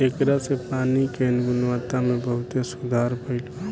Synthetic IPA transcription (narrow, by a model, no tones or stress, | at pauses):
ekɾasepanikenɡunʋat̪amẽbəɦʊt̪esud̪ʱaɾpʰəɪl